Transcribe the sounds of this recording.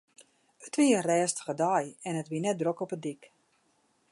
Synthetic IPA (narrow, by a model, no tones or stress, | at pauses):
ətʋiərɛːstə̥χədajɛnətʋinɛt̚drokɔpədik